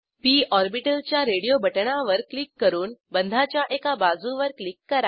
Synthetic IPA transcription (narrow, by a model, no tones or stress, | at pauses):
piʔɔɾbiʈəlt͡ɕjaɾeɽijobəʈɳaʋəɾklikːəɾuːnbənd̪ʱat͡ɕjaʔekabad͡zũʋəɾklikːəɾa